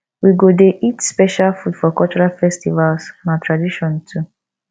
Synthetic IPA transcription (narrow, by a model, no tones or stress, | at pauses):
wiɡodeʔitspɛʃalfudfɔkɔlt͡ʃɔɹalfɛstivalsnãtʰɹadiʃɔ̃ntʰu